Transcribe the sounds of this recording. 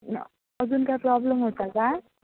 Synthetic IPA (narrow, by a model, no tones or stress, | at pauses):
ʌd͡zunkaprɔblʌmɦot̪aka